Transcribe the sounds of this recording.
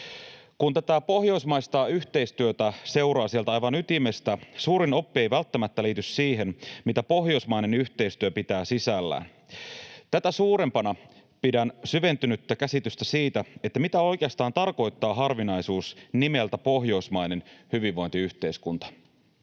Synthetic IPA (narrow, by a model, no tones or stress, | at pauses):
kunt̪æt̪æpo̞hjo̞ismɑjst̪ɑːyçt̪e̞ist̪yøt̪æse̞wɾɑːsielt̪æɑjʋɑnyt̪ime̞st̪æsuːɾino̞pːie̞jʋælt̪ːæmæt̪ːæliːt̪yssiːɦe̞nmit̪æpo̞ɦjo̞jsmɑjne̞nyht̪e̞ist̪yøpit̪æːsisælːæ̰ːn | t̪æt̪æsuːɾe̞mpɑnɑ | pidænsyʋe̞nt̪ynyt̪ːækæsit̪yst̪æsiːt̪æet̪ːæmit̪æo̞jk̟eɑst̪ɑːnt̪ɑrko̞jt̪ːɑːɦɑrʋinɑjsuːsnimelt̪æpo̞ɦjo̞smɑjne̞nhyʋiʋːo̞jnt̪iyht̪e̞iskunt̪ɑ̥